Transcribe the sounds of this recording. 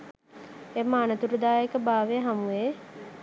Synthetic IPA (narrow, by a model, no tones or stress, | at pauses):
emːəːnət̪uɾud̪aːekəbaːʋeɦamue